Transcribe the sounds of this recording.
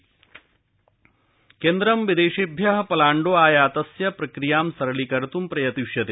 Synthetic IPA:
keːnd̪ɾɐmʋid̪eːʂibʱjɐɦɐpɐlaːɳɖoːaːjaːt̪ɐsjɐpɾɐkɾijaːmsɐɾɐɭikɐɾɐt̪umpɾɐjɐt̪iʂjɐt̪eː

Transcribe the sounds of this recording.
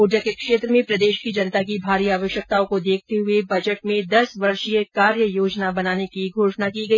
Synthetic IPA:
uːd͡ʒəkekʃeːt̪ɾəmẽpɾɐd̪eːʃkid͡ʒɐnt̪akibʱaːɾiaːʋəʃjək̚t̪aːõkod̪eːk̚ʰt̪eɦʊebɐd͡ʒəʈmẽd̪ɐsʋɐɾʃjekaːɾjəjoːd͡ʒnabɐnaːnekiɡʱoːʃnakiɡɐiː

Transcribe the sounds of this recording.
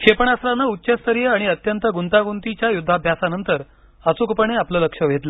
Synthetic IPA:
ɕepəɳ̃asɾanːautːɕest̪ʰəɾjəaɽ̃iət̪jənt̪əɡunt̪aɡunt̪it͡ɕjajud̪ʱːabʱjasanənt̪əɾ | ət͡sukpəɳeapləːləkʂəʋ̤ʱet̪lə

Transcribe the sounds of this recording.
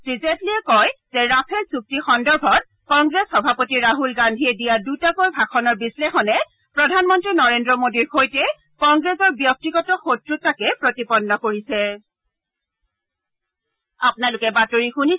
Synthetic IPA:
sizetliɛkɔjzɛɹapʰɛlsuk̚tixɔndɔɹbʱɔt̚ | kɔŋɡɹesxɔbʱapotiɹaɦulɡandʱiɛdijadutakojbʱaxʰɔnɔɹbislexɔnɛ | pɹɔdʱanmɔntɹinɔɹendɹɔmodiɹxojtɛ | kɔŋɡɹesɔɹbjɔk̚tiɡɔtɔxotɹutakɛpɹotipɔnːɔkoɹisɛ | apʊnalʊkɛbatoɹixuni

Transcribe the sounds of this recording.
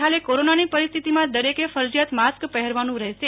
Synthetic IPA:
ɦalekoɾonanipəɾist̪ʰit̪imãd̪əɾekefəɾd͡ʒijat̪maskpəɦɛɾʋanũɾɛɦʃe

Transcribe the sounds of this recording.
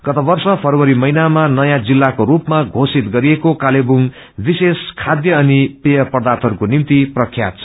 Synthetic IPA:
ɡ̥ʌt̪ʌbʌrsʌpʰʌrwʌɾimʌjnamanʌjãd͡zilːakoɾupmaɡʱosit̪ɡʌɾiekokalebuŋ | biseskʰad̪jʌʌnipejʌpʌrd̪at̪ʰʌɾukonimt̪iprʌkʰːjat̪̚t͡sʰʌ

